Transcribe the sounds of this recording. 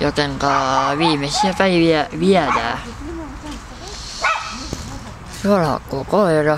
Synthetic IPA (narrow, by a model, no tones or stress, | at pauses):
jot̪eŋkɑːʋiːmesiæpæiʋiæʋiætæ̰ː | suolhɑ̰kːoːkoerɑ